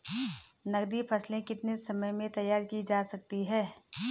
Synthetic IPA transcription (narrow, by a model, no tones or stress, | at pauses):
nɐɡd̪ipʰɐslẽkɪt̪nesɐməjmẽt̪ɐjaːɾkid͡ʒaːsɐk̚t̪iɦɛː